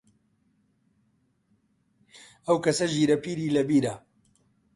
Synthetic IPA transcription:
ɐwkɐsɐʒiːɾɐpiːɾiːlɐbiːɾɐ

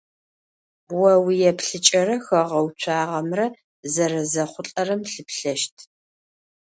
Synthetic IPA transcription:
wɐwijɛpɬɨt͡ʃʼɐrɐxɐʁɐwt͡ɕʷʰaːʁɐmrɐ | zɐɾɐzɐχʷʊɬʼɐrɐmɬɨpɬɐʃtʰ

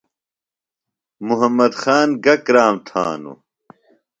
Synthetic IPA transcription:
muɦɐmːɐd̪xaːnɡɐkɾaːmt̪ʰa̰ːnṵ

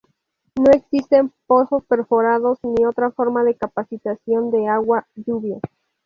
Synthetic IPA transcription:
no̞e̞ksist̪e̞mpo̞so̞spe̞ɾfo̞ɾaðo̞snio̞t̪ɾafo̞ɾmaðe̞kapasit̪asjo̞nd̪e̞aɣwaʝuβja

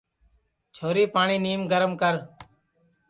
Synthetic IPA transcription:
t͡ʃʰoːɾiːpaːɳ̃iːniːmɡəɾəmkəɾ

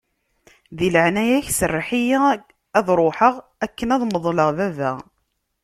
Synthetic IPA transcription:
ðiləʕnæjæçsərːħijæ | æðɾˤoħəʁ | ækːənæðˤməðˤləʁðævæ̰

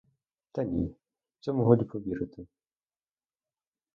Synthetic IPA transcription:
t̪ɐnʲḭ̥ | t͡s̪ʲɔmʊɦɔd̪ʲipɔʋʲiɾɪt̪ɪ

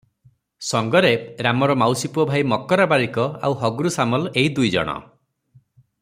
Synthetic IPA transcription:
sɔŋɡɔɾeɾamɔɾɔmawsipuɔbʱajmɔkɔɾabaɾikɔa̰wɦɔɡuɾusamɔleid̪ujd͡ʒɔ̰ɽ̃ɔ̰

